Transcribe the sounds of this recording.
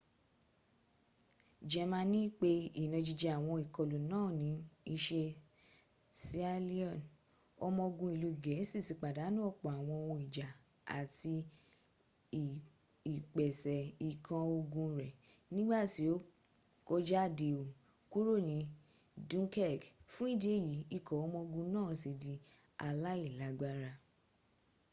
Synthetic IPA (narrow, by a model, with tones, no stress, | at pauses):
d͡ʒɛ˨mã˧nĩ˦k͡pe˦i˦˨nɔ̃˨˧d͡ʒi˨˧d͡ʒɛ˧˨a˨w̃ɔ̃˧i˨kɔ˨lu˨nãː˦˨nĩ˨˦i˧ʃe˧ | si˦a˧li˦ɔ˦˨n | ɔ˧mɔ̃˧ɡũ˧i˨lu˧i˨ɡɛ˨˦si˦˨si˨k͡pa˨da˨˦nũ˦ɔ˦˨k͡pɔ˨a˨w̃ɔ̃˧wɔ̃˧i˨d͡ʒa˨ | a̰˨ti˧˨ | i˨k͡pɛ˨sɛ˨i˨kʰã˧o˧ɡũ˧ɾɛ˨ | nĩ˦ɡ͡ba˦˨ti˨˦o˦ | ko˦d͡ʒa˦˨de˧o˨ | ku˦ɾo˦˨nĩ˨˧˦ | dũ˦kɛ˦˨ɡfũ˦i˦˨de˦˨ji˨˦i˦˨kʰɔ˨ɔ˧mɔ̃˧ɡũ˧nãː˦˨ti˧di˧ | a˧la˦i˦˨la˨˦ɡ͡ba˦ɾa˧